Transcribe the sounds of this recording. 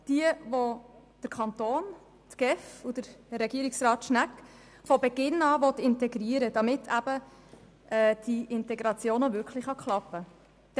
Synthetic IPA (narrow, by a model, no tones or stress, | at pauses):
d̥iəvo | d̥əɾkʰɑnt̪oːn | tɡ̥ɛfud̥əɾɾɛɡiːɾiksrɑːt̪ʃnæk | fɔbɛɡɪnɑːʋɔt̪ɪntɛɡɾiəɾəd̥ɑmɪtʰæb̥ə | ʔɛːd̥iʔɪntɛɡɾɑt͡sjoːnəvʏɾkʰlɪχɑkʰlɑpːə̥